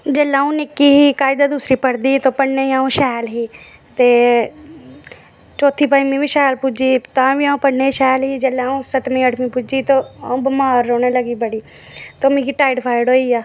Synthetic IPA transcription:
d͡ʒəlaːũnɪkːiɦikaːɪd̪ad̪uːsɾipəɽd̪iːt̪opəɽneiaːũʃɛːlɦiː | t̪eː | t͡ʃoːt̪ʰipaĩmĩbiʃaːlpʊd͡ʒit̪ãːbiãːũpəɽneiʃɛːlɦid͡ʒəlːaːũsət̪mĩəʈʰmĩpʊd͡ʒit̪oaũbɐmaːɾːoːneləɡibəɽiː | t̪omĩkiʈaːɪɖpʰaːɪɽoːijaː

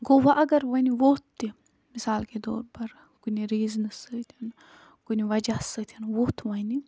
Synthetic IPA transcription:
ɡoːʋaʔɐɡɐɾʋɐniʋoːt̪ːi | misaːlked̪o̰ːɾpɐɾ | kuniɾiːznɨsət̪ʲʰɐn | ɡ̥uniʋɐd͡ʒasət̪ʰʲɐnʋoːt̪ʰʋɐni

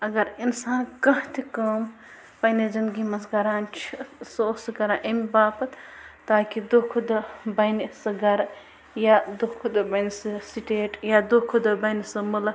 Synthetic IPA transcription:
ɐɡɐɾinsaːnkɐɦt̪ʰikɐːm | pɐned͡ʒɐnɡimɐsɡɐɾaːnt͡ʃʰisosɨkɐɾaʔɐmibaːpɐt̪t̪aːkid̪okʰud̪ɐbɐnisɐɡɐɾ | jad̪okʰud̪ɐbɐnsɨsiʈeːʈjad̪okʰud̪ɐbɐnisɨmul

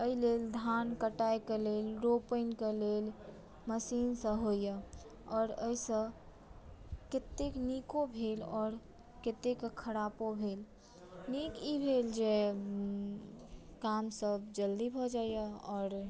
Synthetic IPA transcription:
əileld̪ʱankəʈajkelelɾopəɪnkelel | məsinsə̃ɦojə | ɔːɾəisə̃ | ket̪eknikobʱelɔːɾ | ket̪ekkʰəɾapobʱel | nikibʱeld͡ʒe | kamsəbd͡ʒəld̪ibʱɔd͡ʒajəɔːɾ

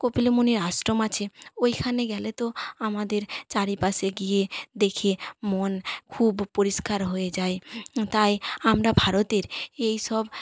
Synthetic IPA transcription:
kopilomoniɾasʈɾomat͡ɕʰeojkʰaneɡɛlet̪oamad̪eɾt͡ɕaɾipaseɡijed̪ekʰemonkʰubpoɾiʃkaɾɦoed͡ʑaet̪ajamɾabʱaɾot̪eɾejʃɔb

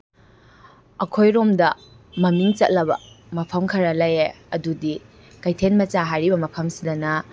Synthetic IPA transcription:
ɐkʰojɾomdɐ | mɐmiŋt͡ʃɐt̚lɐbɐ̰ | mɐpʰɐmkʰɐɾɐlɐje | ɐdudi | kɐjtʰenmɐt͡ʃaɦajɾibɐmɐpʰɐmsidɐnɐ

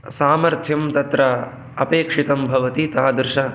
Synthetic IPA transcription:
saːmɐɾt̪ʰjɐmt̪ɐt̪ɾɐ | ɐpeːkʂit̪ɐmbʱɐʋɐt̪it̪aːd̪ɾɪʃɐ

